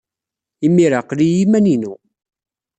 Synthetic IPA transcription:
imːiɾaqlijimæninu

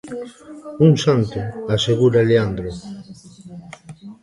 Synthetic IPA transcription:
uŋsant̪ʊaseɣuɾaleand̪ɾo

